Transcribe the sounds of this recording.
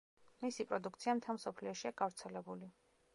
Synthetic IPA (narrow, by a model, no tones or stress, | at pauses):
misipʼɾɔd̪uk̚ʰt̪sʰiamt̪ʰamsɔpʰliɔʃiaɡavɾt̪sʰɛlɛbuli